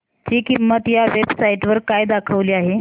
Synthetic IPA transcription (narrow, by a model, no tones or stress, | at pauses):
t͡ɕiːkimːət̪jaʋebsaiʈʋəɾkajd̪akʰəʋliːaɦe